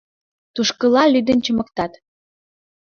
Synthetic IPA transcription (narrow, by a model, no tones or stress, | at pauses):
t̪uʃkə̆lɑlyd̪ənt͡ɕəmɤ̆kt̪ɑt̪